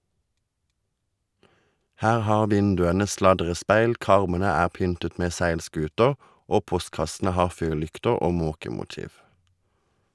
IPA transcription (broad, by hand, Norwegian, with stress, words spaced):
ˈhæːʁ ˈhɑːʁ ˈʋɪndʉənə ˈslɑdʁəˌspæɪl ˈkɑʁmənə ˈæːʁ ˈpʏntət ˈmeː ˈsæɪlˌskʉːtəʁ ˈʔoː ˈpɔstkɑsn̩ə ˈhɑːʁ ˈfyːʁˌlʏktəʁ ˈoː ˈmoːkəmʊˌtiːʋ